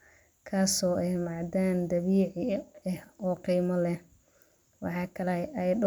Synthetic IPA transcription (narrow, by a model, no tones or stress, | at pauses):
kʰaːsɔːʔɛjmɑʕd̪aːnd̪ɐβiːʕɪɛhɔːqiːmɔlɛ | wɑ̰ħɑːkʰɐlɛɛj